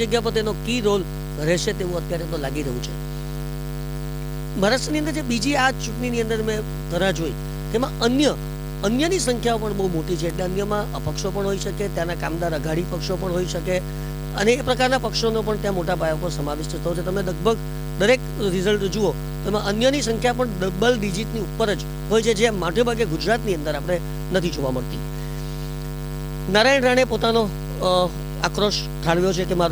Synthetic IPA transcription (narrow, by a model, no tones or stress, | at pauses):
əɡjap̬ət̪enokiɾol | ɡʱəɾeʃet̪eʋũət̪jaɾet̪olaɡiɾəɦũt͡ʃʰḛ | məɾaʃniənd̪əɾd͡ʒebid͡ʒiat͡ʃuʈɳiniə̃nd̪əɾmẽ | t̪əɾad͡ʒoḭ | t̪emãʔənjə | ənjənisəŋkʰjaopəɳbəɦumoʈit͡ʃʰeːʈleənjəmãʔəpəkʃopəɳɦoiʃəket̪janakamd̪aɾəɡʱaɽipəkʃopəɳɦoiʃəke | əneːpɾəkaɾnapəkʃonopəɳt̪jãmoʈabʱajapəɾsəmaʋɪʃt̪ət̪ʰːəjot͡ʃʰet̪əmeləɡ̚bʱəɡ | d̪əɾek | ɾɪzəlʈd͡ʒuo | t̪oemãʔənjənisəŋkʰjap̬əɳd̪əbəlɖid͡ʒiʈniupːəɾəd͡ʒ | ɦojt͡ʃʰed͡ʒemaʈʰebʱəɡeɡud͡ʒɾat̪niə̃nd̪əɾapɽ̃e | nət̪ʰid͡ʒoʋaməɽt̪ḭ | naɾaɳɾaɽ̃epot̪ano | a̰kɾoʃ | ʈ̪ʰaɽʋjot͡ʃʰekemaɾ